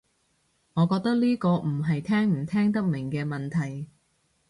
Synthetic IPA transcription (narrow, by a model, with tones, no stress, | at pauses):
ŋɔː˨˧kɔː˧k̚t̪ɐ˥k̚liː˥kɔː˧m̩˨˩ɦɐ˨jt̪ʰɛː˥ŋm̩˨˩t̪ʰɛː˥ŋt̪̬ɐ˥k̚mɪ˨˩ŋkɛː˧mɐ˨˩nt̪ʰɐ˨˩j